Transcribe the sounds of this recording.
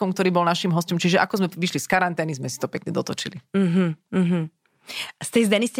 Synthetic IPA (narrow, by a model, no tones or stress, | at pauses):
ɔmkt̪ɔɾiːbɔlnaʃimɦɔscɔmt͡ʃiʒɛʔakɔzmɛʋiʃliskaɾant̪ɛːnizmɛsi̥t̪ɔpɛkɲɛd̪ɔt̪ɔt͡ʃilim̩ɦ̩ɦm̩ | st̪ɛjzd̪ɛniscɛ